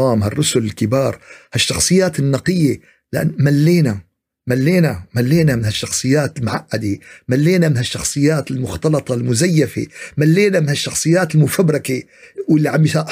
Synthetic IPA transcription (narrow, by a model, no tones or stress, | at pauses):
ɑːmɦarˤːʊsʊlɪlkɪbɑːɾˤhaʃːɑxsˤɨjːaːt̪ɪnːɑqɪjːe | lɪʔa̰nmalːeːna | malːeːnamalːeːnamɪnhaʃːɑxsˤɨjːaːt̪ɪlmʊʕaʔːad̪emalːeːnamɪnhaʃːɑxsˤɨjːaːt̪ɪlmʊxt̪ɑlɑt̪ˤɑlmʊzajːafḛmalːeːnamɪnhaʃːɑxsˤɨjːaːt̪ɪlmʊfabɾɑke | wɪlːiʕambiʃaʔ